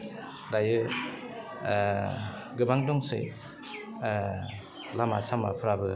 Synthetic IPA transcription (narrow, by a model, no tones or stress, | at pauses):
dajɯ | ɡɯbaŋdɔŋsɯ̰j | lama̰sama̰pʰɯɾabɯ